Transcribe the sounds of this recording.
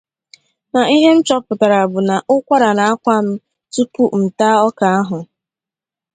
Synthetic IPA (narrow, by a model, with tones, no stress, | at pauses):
na˨i˦ɦe˦m̩˦t͡ʃɔ˦pʊ˨ta˨ɾa˨bʊ˨na˨ʔʊ˦kʷa˦ɾa˨na˨a˦kʷa˦m̩˦ | tu˦pu˦m̩˨taː˦ɔ˦ka˨a˦ɦʊ˨